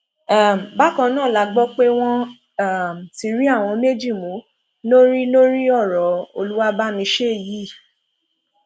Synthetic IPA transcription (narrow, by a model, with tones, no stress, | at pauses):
a˦˨m˨ba˦kã˧˦nãː˦˨la˧ɡ͡bɔ˦k͡pe˦w̃ɔ̃˦ | a˦˨m˨si˨˧˦ɾi˦a˦˨w̃ɔ̃˧me˦d͡ʒi˦˨mũ˨˦ | lo˦ɾi˦lo˦ɾi˦ɔ˦˨ɾɔ˨˦o̰˧lu˦wa˦ba˦mĩ˧˦ʃe˦˨ji˨˦˨